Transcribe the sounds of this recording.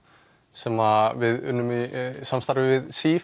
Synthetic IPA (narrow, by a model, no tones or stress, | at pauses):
sɛmavɪðʏ̰nːʏmisamst̪aɾvɪvɪðsiːf